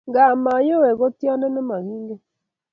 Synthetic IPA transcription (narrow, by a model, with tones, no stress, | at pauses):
ŋɡa˨ma˨jo˦wɛ˨ɣɔ˦tja˦nɛ˦nɛ˦ma˨ɣi˦ŋɡe˦